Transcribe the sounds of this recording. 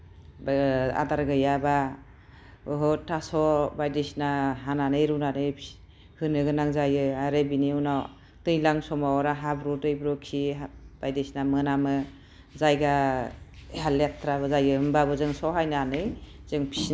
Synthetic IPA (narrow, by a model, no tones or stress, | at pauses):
ba̰daɾɡɯjaba | ɯɦɔtʰasɔbajdesnaɦananɯjɾunanɯjpʰ | hɯnɯɡɯnaŋzajɯaɾebiniɯwna | tɯjlaŋsɔmawɾaɦabɾotɯjbɾɔkʰib̥ajdesnamɯnamɯ | zajɡa | eɦalet̪ʰɾaβɯzajɡɯɦɯmbabɯzɯŋsɔɦajnanɯj | z̥ɯŋpʰi̥s